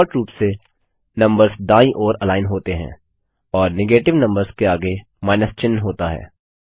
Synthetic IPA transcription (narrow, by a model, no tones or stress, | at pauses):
ɔːɾʈɾuːpse | nɐ̃mbəɾzd̪aːĩʔɔːɾɐlaːɪnɦoːt̪eɦɛ̰̃ː | ɔːɾnɪɡeːʈɪʋnɐ̃mbəɾzkeaːɡe | maːɪnəst͡ʃɪnːɦoːt̪aɦɛ̰ː